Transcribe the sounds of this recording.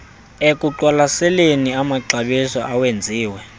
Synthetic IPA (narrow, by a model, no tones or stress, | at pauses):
ekʼuǁwalasɛleniamaǀaɓisɔʔawend͡zʱiːwɛ